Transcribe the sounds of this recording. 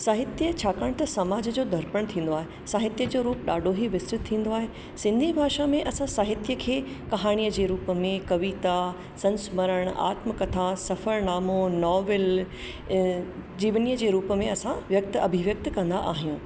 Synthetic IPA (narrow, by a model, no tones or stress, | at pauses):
saːɦɪt̪jət͡ɕʰaːkaːɽ̃t̪ɐsɐmaːd͡ʑəd͡ʑoːd̪ʱɐɾpəɽ̃t̪ʰĩːn̆d̪oaːɦe | saːɦɪt̪jəd͡ʑoːɾuːpɗaːɖʱoɦiʋɪst̪ɾɪt̪ʰːĩːn̆d̪oaːɦe | sɪ̃nd̪ʱibʱaːʃamẽʔɐsãsaːɦɪt̪jəkʰeː | kɐɦaːɽ̃ijəd͡ʑeːɾuːpə̆mẽkɐʋiːt̪a | sɐ̃nsməɾəɽ̃a̰ːt̪məkɐt̪ʰasɐfəɾnaːmonɔːʋɪl | d͡ʑiːʋnijəd͡ʑeːɾuːpəmẽɐsãʋjɐk̚t̪ɐbʱɪʋjɐk̚t̪kɐ̃nd̪a̰ʔaːɦijũː